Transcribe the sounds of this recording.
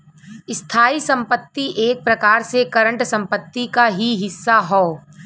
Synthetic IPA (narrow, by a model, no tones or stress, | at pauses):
ɪst̪ʰaːisɐ̃mpət̪ːiʔeːk̚pɾɐkaːɾsekɐɾə̃ɳʈsɐ̃mpət̪ːikaɦiɦɪsːaɦoː